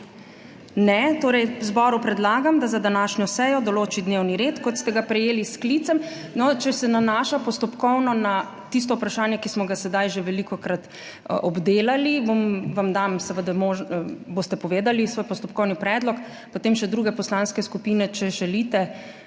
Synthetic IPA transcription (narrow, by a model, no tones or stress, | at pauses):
nɛt̪oːɾɛjzbɔɾupɾɛd̪laːɡamd̪azad̪anaʃnʲɔsɛjɔd̪ɔloːt͡ʃid̪newniɾet̪kɔt̪st̪ɛɡapɾɛjeːlisklit̪sɛm | nɔt͡ʃɛsɛnanaːʃapɔst̪ɔpkɔwnɔna | t̪is̬t̪ɔupɾaʃaːnjɛkismɔɡasɛd̪ajʒeʋɛlikɔkɾat̪ | ʔɔbd̪eːlaliʋomʋamd̪amsɛʋəd̪amoʒboːst̪ɛpɔʋeːd̪alisʋoːjpɔst̪ɔpkɔwnipɾɛːd̪lɔk | pot̪eːmʃɛd̪ɾuɡɛpɔslanskɛskupiːnɛt͡ʃɛʒɛlit̪ɛ